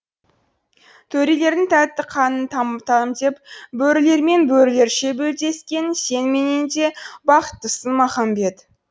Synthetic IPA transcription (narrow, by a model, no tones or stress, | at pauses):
t̪ʰɵɾele̞ɾd̪ɪŋt̪ʰæt̪ːɪqʰɑnənt̪ʰɑmt̪ɑnəmd̪e̞pbɵɾɪle̞ɾme̞nbɵɾɪle̞ɾʃe̞bɵld̪e̞skʲe̞nse̞nmenend̪e̞bɑqə̥t̪ːəsənmɑχɑmbe̞t̪